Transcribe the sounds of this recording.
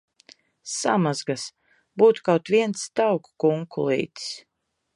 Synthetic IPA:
samazɡas | buːt̪u̥kawt̪viɛnt̪st̪awkːuŋkulˠḭːt̪s

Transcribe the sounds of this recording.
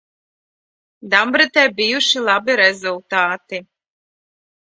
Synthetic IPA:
d̪ambɾɨt̪ɛːbijuʃilˠabiɾɛzulˠt̪aːt̪i

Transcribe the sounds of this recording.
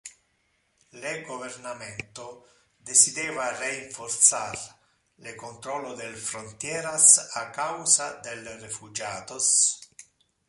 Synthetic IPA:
leɡovernamɛnt̪o | d̪esid̪ɛːvareiɱfort̪sar | lekont̪ɾɔlːod̪elfɾont̪jɛːɾasakːawzad̪elrefud͡ʒaːt̪os

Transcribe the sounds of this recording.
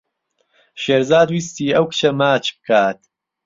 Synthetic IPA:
ʃeːɾzaːd̪wiːst̪iːʔɐwkɨ̥t͡ʃʰɐmaːt͡ʃbɨkʰaːt̪

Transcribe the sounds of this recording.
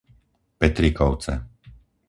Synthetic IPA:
pɛt̪ɾikɔʊt͡sɛ̰

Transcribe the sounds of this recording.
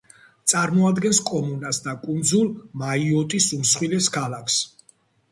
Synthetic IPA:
t̪sʼaɾmɔad̪ɡɛnskʼɔmunasd̪akʼund̪zulˠmaiɔt̪ʼisumsχwilɛskʰalakʰs

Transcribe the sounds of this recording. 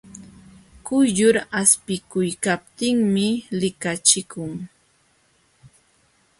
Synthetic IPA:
kʊjʎʊɾaspɪkʊjkap̚t̪ɪŋmɪlɪkat͡ʃɪkʊŋ

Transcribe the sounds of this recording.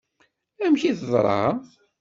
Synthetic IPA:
æmçiðəzˤɾˤɑ̰

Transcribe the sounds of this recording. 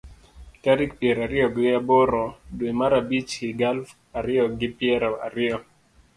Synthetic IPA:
taɾik̚pjeɾaɾɪjɔɡɪaboɾɔdwemaɾabit͡ʃiɡalf | aɾɪjɔɡɪpɪɛɾɔa̰ɾɪɔ

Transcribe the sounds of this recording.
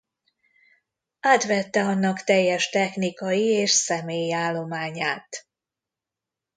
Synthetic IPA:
aːt̪ʋɛt̪ːɛɒnːɒkt̪ɛjːɛʃt̪ɛxnikɒjieːʃsɛmeːjiaːlːo̞maːɲaːt̪

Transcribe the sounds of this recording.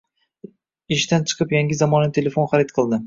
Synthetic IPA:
ɪʃt̪ant͡ʃʰɨ̥qʰɨpjaŋʲɪzamɒnant̪ʰe̞lefonχaɾɪt̪̚qʰɨlˠd̪ɪ

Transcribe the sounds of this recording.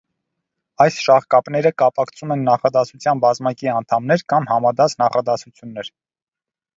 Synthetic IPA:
ɑjsʃɑhkɑpnɛɾəkɑpɑkʰt͡sʰumɛnːɑχɑd̪ɑsut͡sʰjɑnbɑzmɑkiɑnt̪ʰɑmnɛɾkɑmhɑmɑd̪ɑt͡snɑχɑd̪ɑsut͡sʰjunːɛɾ

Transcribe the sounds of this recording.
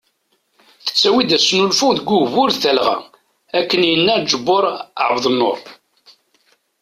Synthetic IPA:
θə̥t͡sːæwid̪æsnulfuðɡuvʊɾθælʁæ̰ | ækːənjənːæd͡ʒəbːʊɾˤə̰ʕvðˤnːo̰ɾˤ

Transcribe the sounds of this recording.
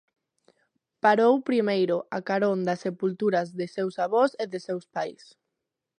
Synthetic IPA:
paɾowpɾimejɾʊʔakaɾond̪asepult̪uɾɐzðɪsewsaβɔseðɪsewspajs

